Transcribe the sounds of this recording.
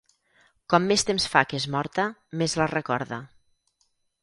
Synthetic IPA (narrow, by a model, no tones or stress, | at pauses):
kɔmːest̪emsfakezmɔɾt̪əmezlərəkɔ̰ɾðə̰